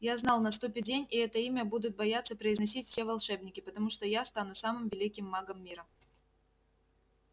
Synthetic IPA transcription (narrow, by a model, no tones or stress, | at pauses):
jaznalˠnɐs̬t̪upʲɪdʲenʲiɛt̪əimʲəbud̪ʊt̪̚bɐjat̪sːəpɾəɪznɐsʲitʲfsʲevɐlˠʂɛbnʲɪkʲɪpət̪ɐmuʂt̪ojast̪anʊsamɨmvʲɪlʲikʲɪmːaɡəmːʲiɾə